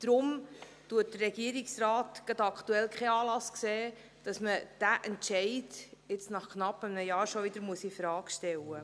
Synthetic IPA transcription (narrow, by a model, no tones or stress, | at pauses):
d̥ɾʊm | tuːət̚d̥ərːɛɡiəɾɪksrɑːtɡ̥ɑdɑkʰt̪uɛlkʰχɛɑːlɑskseː | d̥ɑsməd̥æʔɛntʃɛɪdɪt͡snɑχknɑpːəmnəjɑːɾʃɔʋɪd̥̪əɾmuəsifɾɑːkʃtɛlə